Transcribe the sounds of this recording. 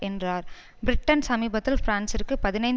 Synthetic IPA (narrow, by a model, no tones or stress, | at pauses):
ɛndraːɾ | bɪɾɪʈːɐnsɐmiːbɐt̪ːɪlfɾaːnsɪɾkːɯpɐðɪnɐɪn